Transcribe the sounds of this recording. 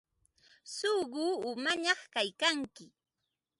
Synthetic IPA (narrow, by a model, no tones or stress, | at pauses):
soɢuːʊmaɲɑχkajkaŋkɪ